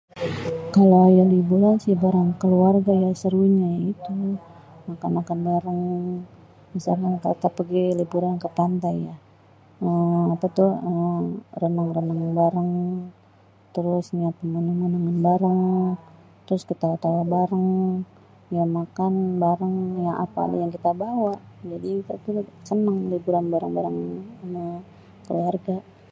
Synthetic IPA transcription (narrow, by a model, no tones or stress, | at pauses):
kalajalibuɾansɪhbaɾaŋkəluarɡajasəɾuɲait̪u | makanakanbaɾaŋ | misalkankat̪apəɡilibuɾankəp̪ant̪aja | əmapat̪ʊhərənaŋrənaŋanbaɾaŋ | t̪əɾʊsɲapəmənumənuŋanbaɾaŋ | t̪əɾʊskit̪aut̪awabaɾaŋ | jamakanbaɾaŋjaŋʔa̰pa̰ːdajaŋkit̪abawaʔd͡ʒadit̪at̪usənəŋlibuɾanbaɾaŋbaɾaŋmə | kəluarɡa